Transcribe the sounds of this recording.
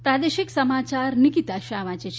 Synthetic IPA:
pɾaːd̪eʃiksɐmaːt͡ʃaɾnikit̪aʃaːʋãt͡ʃet͡ʃʰ

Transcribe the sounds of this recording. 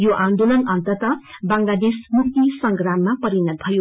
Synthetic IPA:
joʔand̪olʌnʌnt̪ʌt̪ʌbaŋlad̪esmuk̚t̪isʌŋɡramːapʌɾinʌt̪̚bʱʌjo

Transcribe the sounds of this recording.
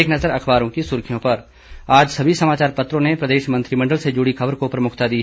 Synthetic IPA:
eːknɐzəɾɐkʰbaːɾõkisʊɾkʰijõpɐɾ | aːd͡ʒsɐbʱisɐmaːt͡ʃaːɾpɐt̪ɾõnepɾɐd̪eːʃmɐ̃nt̪ɾimɐ̃ɳɖəlsed͡ʒʊɽikʰɐbəɾkopɾɐmʊkʰt̪ad̪iɦɛ

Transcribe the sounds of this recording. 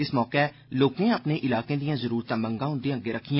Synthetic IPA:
ɪsmɔːkɛː | loːkẽːəpneːʔɪlaːkẽːd̪ijãːzəɾuːɾt̪ãːmə̃ŋɡãːɦʊ̃nd̪ẽə̃ɡeːɾəkʰːɪjã

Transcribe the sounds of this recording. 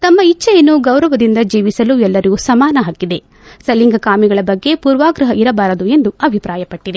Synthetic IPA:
t̪ɐmːɐit͡ʃːɐjɐnːuɡɐwɾɐʋɐd̪ind̪ɐd͡ʒiːʋisɐluɛlːɐɾeɡusɐmaːnɐɦaːkːid̪e̞ | sɐliŋɡɐkaːmiɡɐɭɐbɐɡːe̞puːɾʋaːɡɾɐɦɐiɾɐbaːɾɐd̪ue̞nd̪uɐbʱipɾaːjɐpɐʈːid̪e

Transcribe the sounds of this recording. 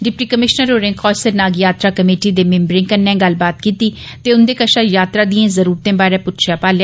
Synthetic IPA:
ɖɪpʈiːkəmɪʃnəɾoːɾẽːxʰɔːsəɾnaːɡjaːt̪ɾaːkəmeːʈiːd̪eːmɪ̃mbɾɪ̃ŋkənːɛ̃ːɡəlbaːt̪̚kiːt̪iː | t̪eːʊnd̪eːkəʃaːjaːt̪ɾaːd̪iẽːzəɾuːɾt̪ẽːbaːɾẽːpʊt̪ʃjaːpaːlja

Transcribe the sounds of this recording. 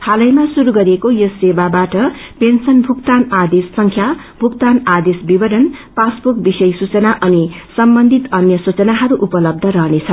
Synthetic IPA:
t̪ʰalʌjmasuɾuɡʌɾiekojosebabaʈʌpensʌnbʱukt̪anad̪esːʌŋkʰja | bʱukt̪anad̪esbibʌɽʌnpasbuk̚bisʌjsut͡sʌnaʔʌnisʌmbʌnd̪ʱit̪ʌnjʌsut͡sʌnaɦʌɾuʔupʌlʌb̚d̪ʱʌɾʌɦnet͡sʰʌ

